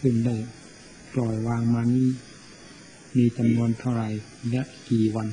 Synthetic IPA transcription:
kʰɯ˧˩˨nlɛ˧˩ | lɔː˨˩jwaː˧ŋmaː˧niː˧˥˩ | miː˧˥t͡ɕa˨mnu˧ənt̪ʰa˧˩wɾa˨˩j | lɛ˧˥ʔkiː˨˩wa˧n

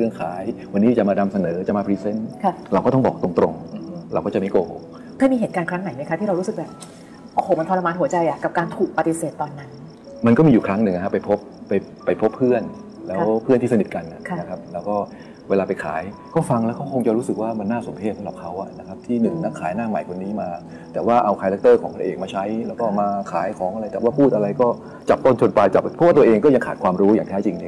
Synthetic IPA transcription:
ɯ˥˩ənkʰaː˩˦jwa˧nːiː˦˥t͡ɕa˨˩maː˧da˧msa˧nɤː˩˦t͡ɕa˨˩maː˧pʰiː˧se˥˩nkʰa˥˩ɾa˧wkɔː˥˩t̪ɔ˥˩ŋbɔ̰ː˨˩k̚t̪o˧ŋt̪ɾo̰˧ŋ˧ɾa̰˧wkɔː˥˩t͡ɕa˨˩ma˥˩koː˧˩ho˨˩ | k̪ʰa˥˩miː˧ɦeː˨˩t̪kaː˧nkʰɾa˦˥ŋna˨˩˦jn˧˦˥kʰa˦˥t̪ʰiː˥ɾa˧ɾu˦˥sɯ˨˩k̚bɛː˨˩p̚ | ʔo˧hoː˨˩ma˧nt̪ʰɔ˧la˧maː˧nɦu˩˦t͡ɕa˧jʔa˨˩ka˨˩p̚kaː˧nt̪ʰuː˨˩k̚pa˧t̪i˨˧seː˨˩t̪ːɔː˧nːa˦˥n | ma˧nkɔː˥˩miː˧juː˨˩kʰɾa˦˥ŋnɯ˨˩ŋa˦kʰa˧˩pːa˧jpʰo˦˥p̚ːa˧j | pa˧jpʰo˦˥pʰːɯ˥˩ən | lɛː˦˥˧wpʰɯ˥˩nt̪iː˥˩sa˧ni˨˩t̪̚ka˧nʔa̰˨˩˧na˦kʰa˦˥p̚lɛː˦˥wkɔː˥˩ | weː˧laː˧pa˧jkʰa̰ː˩˦j | kɔː˥˩fa˧ŋlɛː˦˥wkʰwkʰo˧ŋt͡ɕa˨˩ɾuː˦˥sɯ˨˩k̚waː˥˩ma˧nːaː˥˩so˩˦mpʰeː˥˩p̚sʰa˧˩la̰ː˨˩p̚kʰa˦˥wʔa̰˨˩na˦˥kʰa˦˥p̚t̪ʰiː˥˩nɯ˨˩ŋna˦˥kʰːaː˩˦jnaː˥˩ma̰˨˩jkʰo˧nːiː˦˥maː˧ | t̪ɛː˨˩waː˥˩ʔa˧wkʰaː˧lɛ˦k̚t̪ɤː˥˩kʰɔ̰ː˨˩˦kʰɾa˥˩ʔeː˨˩k̚maː˧t͡ɕʰa˦˥jlɛː˦˥wkɔː˥˩maː˧kʰa̰ː˩˦jkʰɔː˩˦ŋʔa˧ɾa˧jt̪ɛː˨˩waː˥˩pʰuː˥˩t̪ʔa˧ɾa˧jkɔː˥˩ | t͡ɕa˨˩p̚t̪o˥˩nt͡ɕʰo˧npa˧jt͡ɕa˨˩p̚pʰɔ˦˥waː˥˩˧əʔeː˧ŋkɔː˥˩ja˧ŋkʰaː˨˩t̚kʰwaː˧mɾuː˦˥ja̰ː˨˩ŋt̪ʰɛː˦˥t͡ɕi˧ŋleː˦˩

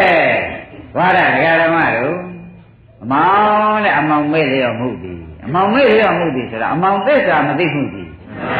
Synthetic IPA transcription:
ɡwa˦˨ɾa˨dəɣa˨ɾəma̰˦˨ɾo˦˨ | ʔəmã˨˦nɛ̰̃˦˨ʔəmõ˨ʊ̃me˦˨le˦˨jɔ̃˨m̥ṵ˦˨d̪ḭ˨ʔəmã˨ʊ̃me˦˨le˦˨jɔ̃˨m̥ṵ˦˨d̪ði˨sʰo˨ɾa̰˨ʔəmõ˨ʊ̃nt̪ɪ˦ʔsa˨mət̪̬ḭ˦˨m̥ṵ˦˨d̪ḭ˨

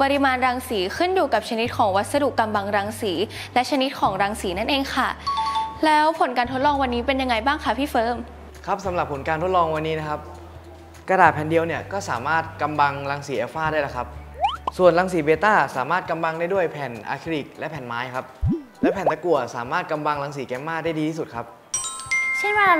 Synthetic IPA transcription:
pɔ˧ɾi˧maː˧nɾaː˧ŋsiː˩˦kʰɯ˥˩njuː˨˩ka˨˩p̚t͡ɕʰa˧ni˦˥t̪̚kʰɔː˩˦ŋwa˦˥t̪̚sa˧du˨˩kːa˧mba˧ŋɾaː˧ŋsiː˩˦ | lɛ˦˥ʔt͡ɕʰa˧ni˦˥t̪̚kʰɔː˩˦ŋɾaː˧ŋsiː˩˦na˥˩nʔeː˧ŋkʰa˥˩lɛː˦˥wpʰo˨˩˦nkaː˧nt̪ʰo˦˥t̪̚lɔː˧ŋwa˧nːiː˦˥pe˧nja˧ŋːa˧jbaː˥˩ŋkʰa˦˥˩pʰiː˥˩fɤː˦˥m | kʰa˦˥p̚sa˨˩˦mɾa˨˩pʰːo˨˩˦nkaː˧nt̪ʰo˦˥t̪̚lɔː˧ŋwa˧nːiː˦˥na˦˥kʰa˦˥p̚ | ka˧daː˨˩ɛː˨˩ndi˧əwni˧˩əkɔː˥˩saː˨˩˦maː˥˩t̪̚ka˧mba˧ŋɾa˧ŋsiː˩˦ʔɛː˧faː˥˩dɾaː˥˩la˨˦kʰa˦˥p̚su˨˩ənla˧ŋs̬iː˩˦beː˧t̪aː˥˩saː˨˩˦maː˥˩t̪̚ka˧mba˧ŋdaː˥˩jdu˥˩əjpʰɛ˨˩nʔa̰ː˧kʰi˧˥li˨˩k̚lɛ˦˥pʰɛː˨˩nmaː˦˥jkʰa˦˥p̚lɛː˦˥pʰɛː˨˩nt̪a˧ku˨˩ə˩sa̰ː˨˩˦maː˥˩t̪̚ka˧mba˧ŋlaː˧ŋs̬iː˩˦kɛː˧mːaː˥˩k̚da˥˩jdiː˧t̪ʰiː˥˩su˨˩t̪̚kʰa˦˥p̚ | t͡ɕʰa˥˩nwaː˧˥˧

